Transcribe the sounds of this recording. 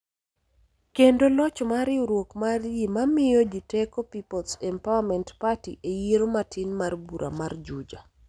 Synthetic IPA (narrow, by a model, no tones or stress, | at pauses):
kendolɔt͡ʃɔmaɾɪuɾwokmarjimamɪjɔd͡ʒitekopipɔlsɛmpawamɛntpatiʔejieɾomatɪnmarbuɾʔa̰mard͡ʒud͡ʒa